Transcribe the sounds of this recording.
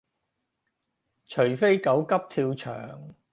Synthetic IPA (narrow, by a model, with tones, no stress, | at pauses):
t͡ʃʰɵ˨˩ɥfe˥jkɐ˨˥wkɐ˥p̚t̪ʰiː˧wt͡ʃʰœ̰ː˨˩ŋ